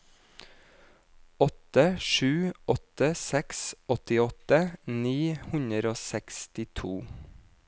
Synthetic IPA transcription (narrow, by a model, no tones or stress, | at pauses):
ɔt̪əʃʉːɔt̪əsɛksʔɔt̪ɪɔt̪əniːhʉnəɾoːsɛkst̪ɪt̪ʰuː